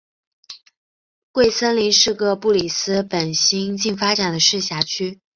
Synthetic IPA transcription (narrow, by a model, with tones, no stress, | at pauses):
kwe˥˩ɪsə˥nli˧˥nʂɻ̩˥˧kɤ˥˧pu˥˩li˨˩sɹ̩˥pə˨˩nɕi˥ŋt͡ɕi˥˩ŋfa˥ʈ͡ʂa˨˩d̪ə˦ʂɻ̩˥˩ɕja˧˥t͡ɕʰy˥